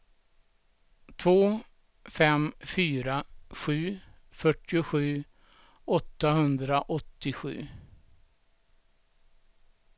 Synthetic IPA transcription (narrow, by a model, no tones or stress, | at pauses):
t̪ʰvoː | fɛmfyːɾaɧʉ̟ː | fœʈːɪʊɧʉ̟ː | ɔt̪ːahɵnd̪ɾaʔɔt̪ːɪɧʉ̟̰ː